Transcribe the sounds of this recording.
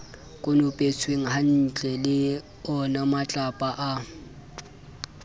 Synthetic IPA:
kʼʊnʊpʼet͡sʰweŋ̩ɦan̩t͡ɬʼɛlɪ | ɔnamat͡ɬʼapʼaʔa

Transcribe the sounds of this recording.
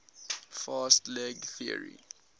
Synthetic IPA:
fastlɛɡθiə̰ɹḭ

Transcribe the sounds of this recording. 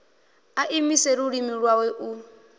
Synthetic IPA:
aʔimiseɾuɺimiɺwawɛʔu

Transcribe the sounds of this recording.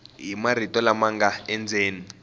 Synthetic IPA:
ɦimar̤itɔlamaŋɡaɛnd͡zeːni

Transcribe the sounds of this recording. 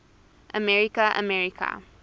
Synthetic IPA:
ʔəmɛɹikaʔə̰mɛɹikʰa̰

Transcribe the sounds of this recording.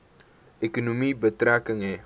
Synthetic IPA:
ekunomibət̪ɾakəŋe

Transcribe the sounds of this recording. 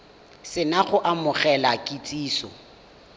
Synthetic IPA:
sɪnaχʊʔamʊχɛlakʼit͡sʼiːsɔ̰

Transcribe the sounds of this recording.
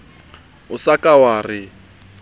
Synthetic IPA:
ʊsakʼawaːrɪ

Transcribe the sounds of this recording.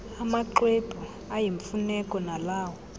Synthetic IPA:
amaǃwepu | ajiɱfunɛkʼɔnalaːwɔ

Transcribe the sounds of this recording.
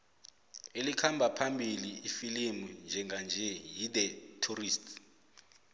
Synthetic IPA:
elikʰambʱapʰambʱiliifilimund͡ʒʱɛŋɡand͡ʒʱɛjidɛtʰuriːstʰ

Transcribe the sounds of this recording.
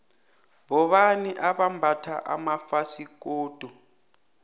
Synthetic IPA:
βɔɓaniʔaɓambʱatʰaʔa̰mafasikoːd̥ʱu

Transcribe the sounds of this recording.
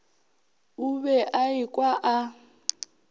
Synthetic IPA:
uβɛʔaikʼwaʔa

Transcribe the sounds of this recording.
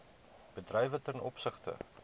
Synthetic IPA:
b̥ədrɛjvətɛnɔpsəχtə̰

